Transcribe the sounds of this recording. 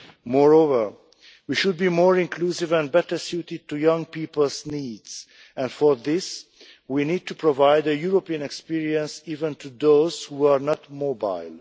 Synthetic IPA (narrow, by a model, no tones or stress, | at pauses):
mɔɹovəɹ | wiʃud̪̚bimɔɹɪ̃nkʰlusɪvɛ̃nbɛtə˞sjutɪd̚tujʌ̃ŋpiːpəl̩ˠzniːdz̥ | ɛ̃nfɔɹðɪs | winiːd̚tupʰɹovaɪdəjuɹopiə̃nɛkspiɹiə̃nsiːvə̃ntʰuðoz̥huaɹnɔtmoba̰ɪlˠ